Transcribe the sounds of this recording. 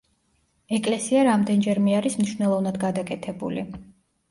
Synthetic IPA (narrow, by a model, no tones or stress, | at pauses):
ɛkʼlɛsiaɾamd̪ɛnd͡ʒɛɾmiaɾismniʃwnɛlˠɔvnad̪ɡad̪akʼɛt̪ʰɛbṵlḭ